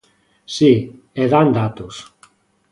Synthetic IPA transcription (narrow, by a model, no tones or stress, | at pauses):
si | eðand̪at̪us